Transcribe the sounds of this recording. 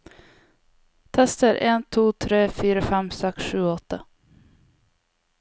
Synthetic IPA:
t̪ʰɛst̪əɾʔɛnt̪ʰuːt̪ʰɾeːfyːɾafɛmsɛksɧʉ̟ːɔt̪ʰːa

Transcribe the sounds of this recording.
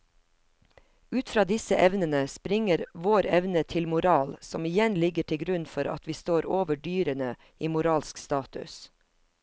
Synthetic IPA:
ʉːt̪fɾɑːd̪ɪsəʔɛʋnənəspɾɪŋəɾʋoːɾɛʋnət̪ʰɪlmʊɾɑːlsɔmɪjɛnlɪɡəʈʰɪlɡɾʉnfɔɾɑ̰t̪ʋiːst̪oːɾoːʋəɖyːɾənə | iːmʊɾɑːlskst̪ɑːt̪ʉ̰s

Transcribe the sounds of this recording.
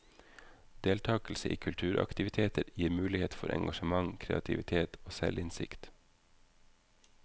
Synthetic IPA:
d̪̥eːlt̪ʰɑːkl̩səʔḭːkʰʉlt̪ʰʉːɾʔɑ̰kt̪ɪʋɪt̪ʰeːt̪əɾjiːɾmʉːlɪheːt̪fɔɾʔɛ̰ŋɡɑʃəmɑŋkʰɾḛːɑt̪ʰɪʋɪt̪ʰeːt̪ʰoːsɛlʔɪnsɪ̰kt̪

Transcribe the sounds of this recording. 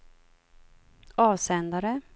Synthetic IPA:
ɑːvsɛnd̪aɾə

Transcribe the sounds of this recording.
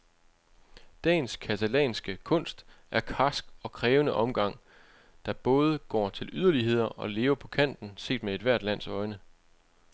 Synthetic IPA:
d̥ɛ̰ːnskʰæt͡sʰælɛ̰ːnsɡ̥əkʰɔ̽n̰sd̥ | æɐkʰɑsɡ̥ɒ̽kʰʁɛːʊnəʔɒ̽mɡ̥ɑ̈ŋ̰ | d̥ɑ̈b̥ɔ̽ːð̞ˠəɡ̥ɒ̰ːt͡sʰe̝lyð̞ˠɐliɦe̝ð̞̰ˠɐɒ̽le̝ːʊɐpʰɒ̽kʰæn̰d̥n̩se̝̰ːd̥mee̝d̥ʋæɐ̰d̥læn̰sɒ̽ɪnə

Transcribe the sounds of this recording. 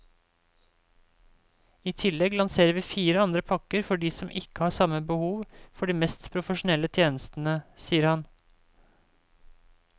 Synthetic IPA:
iːt̪ʰɪlɛɡlɑnseːɾəʋiːfiːɾəɑnd̪ɾəpʰɑkəɾfɔɖiːsɔmʔɪkəhɑːsɑməbəhuːʋfɔɖiːmɛst̪pʰɾʊfəʃʊnɛlːət̪ʰjeːnəst̪n̩əsiːəɾhɑn

